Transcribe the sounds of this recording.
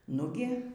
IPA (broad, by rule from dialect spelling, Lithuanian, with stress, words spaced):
ˈnʊɡʲɪ